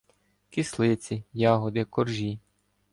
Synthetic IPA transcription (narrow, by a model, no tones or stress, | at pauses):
kʲislˠɪt͡sʲijɑɦɔd̪ɪkɔrʒʲi